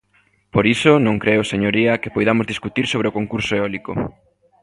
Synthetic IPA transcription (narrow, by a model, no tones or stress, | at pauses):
poɾisonõŋkɾeʊseɲoɾiɐkepojðamozðiskut̪iɾsoβɾeokoŋkuɾsoeɔliko̰